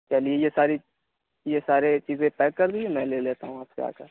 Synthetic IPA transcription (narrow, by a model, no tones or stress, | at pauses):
t͡ʃaliejesaːɾi | jesaːɾet͡ʃiːzẽpɛːkːɐɾd̪iemɛ̃ːleːleːt̪aɦũaːpkea̰ːka